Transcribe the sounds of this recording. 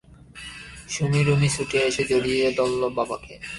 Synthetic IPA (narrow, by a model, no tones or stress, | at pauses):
ʃumiɾumisuʈeeʃed͡ʑoɽiod̪ɔlːobabake